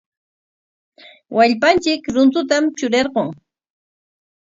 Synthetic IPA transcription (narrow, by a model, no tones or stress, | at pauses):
wʔaʎpant͡ʃɪkɾʊnt̪ʊt̪amt͡ʃʊɾeɾɢoŋ